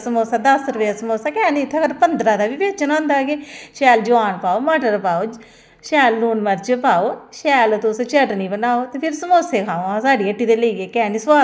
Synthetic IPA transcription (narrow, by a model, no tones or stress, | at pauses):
səmoːsaːd̪əsɾəʋeːasəmoːsaːkɛːnĩːt̪ʰːɡəɾpənd̪ɾaːd̪aːʋiːbeːt͡ʃənãːnd̪aːɡeːʃɛːld͡ʒʊʋaːnpaːoːmaːʈəɾpaːoː | ʃɛːlːuːnməɾt͡ʃpaːoːʃɛːlt̪ʊst͡ʃəʈnĩːbənaːoːt̪eːpʰɪɾsəmoːseːkʰaːõãsaːɖiːəʈːiːd̪eːləiːɡeːkɛːniːsaː